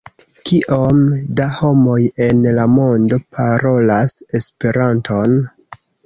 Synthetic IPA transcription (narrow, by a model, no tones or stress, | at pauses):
kiʔomdaho̞mo̞je̞nlamo̞ndo̞pʰaɾo̞lase̞spe̞ɾantʰo̞n